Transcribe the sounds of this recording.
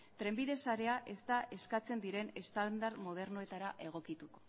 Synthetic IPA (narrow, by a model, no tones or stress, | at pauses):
t̪ɾe̞mbiðe̞saɾe̞aʔe̞st̪aʔe̞skat͡se̞nd̪iɾe̞ne̞st̪and̪aɾmo̞ð̞e̞ɾnoe̞t̪aɾaʔe̞ɣ̞o̞kit̪uko̞̥